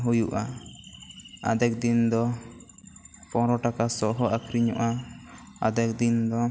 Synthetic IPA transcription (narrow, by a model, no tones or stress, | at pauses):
ɦujuʔa | a̰d̪ɛk̚d̪ind̪ɔ | pɔ̃ɾɔʈakasɔʔɦɔakʰɾiɲɔ̰ʔa | ad̪ɛk̚d̪ind̪ɔ